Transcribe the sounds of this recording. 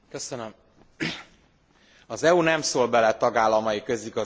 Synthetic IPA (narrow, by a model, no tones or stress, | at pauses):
kø̞sønøm | ɒzɛunɛmsoːlbɛlɛt̪ɒɡaːlːɒmɒjikø̞ziɡɒ